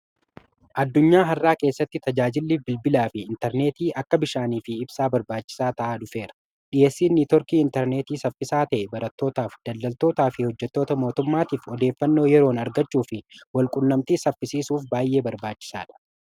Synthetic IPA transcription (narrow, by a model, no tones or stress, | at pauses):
ʔɐd̪ːʊɲːaːɦɐrːaːke̞ːsːɐt̪ːɪt̪ɐd͡ʒaːd͡ʒɪlːiːbɪlbɪlaːfɪɪnt̪ɛɾne̞ːt̪iːʔɐkːɐbɪʃaːniːfɪɪbsaːbɐɾbaːt͡ʃːɪ̥saːt̪ɐʔaːᶑʊfe̞ːɾɐ̥ | ᶑɪjeːsːiːnːit̪ɔɾkiːɪnt̪ɛɾne̞ːt̪iːsɐfːɪsaːt̪ɐʔɛbɐɾɐt̪ːo̞ːt̪aːfd̪̥ɐld̪ɐlt̪o̞ːt̪aːfɪhɔd͡ʒːɛt̪ːo̞ːt̪ɐmo̞ːt̪ʊmːaːt̪iːfɔd̪e̞ːfːɐnːo̞ːjɛɾo̞ːnɐɾɡɐt͡ʃːuːfɪwɐlkʼʊnːɐmt̪iːsɐfːɪsiːsuːfbaːjʔe̞ːbɐɾbaːt͡ʃːɪ̥sa̰ːᶑɐ̥